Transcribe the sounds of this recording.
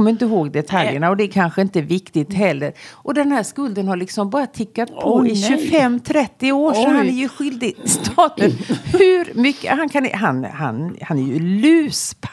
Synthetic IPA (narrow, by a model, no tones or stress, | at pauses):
ɔmːəɾɪnt̪əɦoːɡd̪ɛt̪ʰaljəɳaɔd̪ɛːɾkʰanɧəɪnt̪əvɪkt̪ɪt̪ɦɛlːəɾʔɔd̪ɛnhæːʂkɵld̪ənhaɭɪksɔmbɑːɾat̪ʰɪkːat̪̚pʰɔɪɕʉfɛmːt̪ʰɾɛt̪ːɪoːʂɔhanæɾjɵɧʏld̪ɪst̪ʰɑːt̪ənhʉɾmʏkːə̰hankʰan̰ɦanha̰nhanæɾjɵlʉ̟ːspʰ